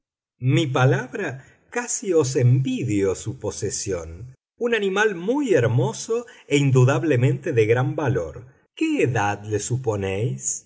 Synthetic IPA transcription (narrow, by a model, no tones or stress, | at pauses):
mip̬alaβɾa | kasio̞s̬embiðjosuposesjo̰n | unanĩmalmujeɾmo̞soeind̪uðaβlemẽnt̪eðeɣɾambalo̰ɾ | keːðaðlesuponejs